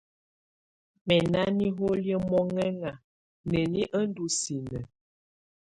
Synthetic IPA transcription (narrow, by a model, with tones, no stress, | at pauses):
mɛ˨na˦ni˦ɦo˦ljə˦mɔ˦ŋɛ˦ŋa˨ | nə˨ni˦ʔə˦n˦du˨si˨nə˨